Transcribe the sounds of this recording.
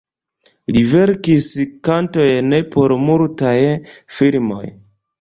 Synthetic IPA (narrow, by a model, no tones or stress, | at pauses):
liveɾkiskanto̞jne̞po̞ɾmultajfilmo̞̰j